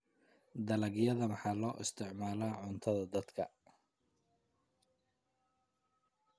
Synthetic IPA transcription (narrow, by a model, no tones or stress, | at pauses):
d̪ɐlɐɡjɐðɐmɑħɑːlɔːʔɪst̪ʰɪʕmaːlaːʕʊnt̪ʰɐðɐd̪ɐd̪kʰɐ̰